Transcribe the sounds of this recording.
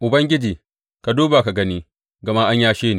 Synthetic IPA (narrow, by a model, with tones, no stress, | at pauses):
ʔʊ˨bɐ˦ŋɡʲɪ˦d͡ʒiː˨ | ka˨duː˦ba˨ka˨ɡɐ˦niː˦ | ɡɐ˨ma˦ʔa˦ɲjaː˦ʃeː˦ne˨